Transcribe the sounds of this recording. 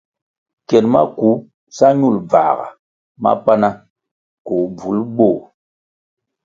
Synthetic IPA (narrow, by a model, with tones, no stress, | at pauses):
kɛ˨nma̰˦ku˨˦ | sa˦ɲu˦˨lb͡va̰˨ɣa̰˨ | ma̰˦pa˦na˦ | ko˨b͡vu˨˦lbo˦˨